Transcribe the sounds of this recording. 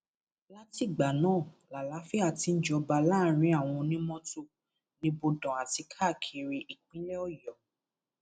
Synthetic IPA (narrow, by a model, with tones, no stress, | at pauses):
la˦ti˦˨ɡ͡ba˨nãː˦˨la˨la˨˦fi˦a˧˨ti˧n̩˦d͡ʒɔ˧ba˧laː˦˨ɾ̃ĩ˨˦a˦˨w̃ɔ̃˧nĩ˦mɔ̃˦to˦˨ | nĩ˧bo˧dɔ̃˨a˨ti˧kʰa˦˨kʰe˧ɾi˧ʔi˨k͡pĩ˦lɛ˦ɔ˦˨jɔ˨